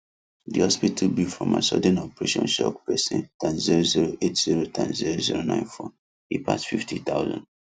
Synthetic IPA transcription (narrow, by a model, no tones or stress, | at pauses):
diɔspitʰubifɹɔ̰̃ma̰sɔdɛ̃nɔpɹeʃɔ̰̃nʃɔkpɛsɛ̰̃ntʰɛ̃nziɹoziɹoʔetz̥iɹotʰɛ̃nziɹoziɹonãɪ̃nfɔ | ipʰa̰sfiftʰit̪aʊzɔ̰̃nd